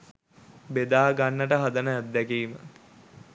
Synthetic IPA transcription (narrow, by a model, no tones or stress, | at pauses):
bed̪aːɡanːəʈəɦad̪ənəæd̪ːɛkiːmə